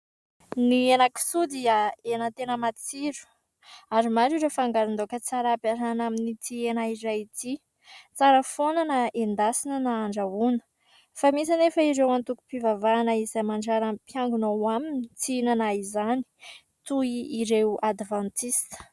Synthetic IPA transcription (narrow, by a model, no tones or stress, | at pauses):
nienaki̥sud̪iaenət̪enəmat͡siɾu̥ | aɾimaɾuɾefaŋɡaɾind̪okət͡saɾapaɾanaminit̪ienaiɾajit̪i | t͡saɾəfonanaʔend̪asinənaaɳɖ͡ʐaunə̥ | famisanefəiɾewant̪uku̥pivavaːnəizamaɳɖ͡ʐaɾampjaŋɡunowaminit͡siinanaizani̥ | t̪uiiɾewad̪vãnt̪ist̪ə̥